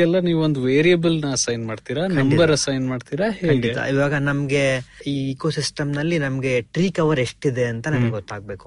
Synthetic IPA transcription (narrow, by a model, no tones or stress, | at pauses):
ɛlːɐniːʋuond̪uʋeːɾijɐbɐlnɐɐsɐjnmaːɖt̪iːɾɐknɐɐmibɐɾɐsɐjnmaːɖt̪iɾɐhekɐːɳɡɖiet̪ɐa̰iʋaːɡɐnɐmɡe̞iːikosisʈɐmnɐlːinɐmɡe̞ʈɾiːkɐʋɐɾe̞ʂʈid̪e̞ɐnt̪ɐnɐmɡeɡot̪ːaːɡ̚be̞ːku̥